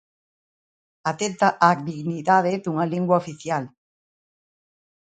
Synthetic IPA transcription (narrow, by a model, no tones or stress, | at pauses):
at̪et̪aʔak̚d̪iɣniðaðeðuŋaliŋɡwaofiθjal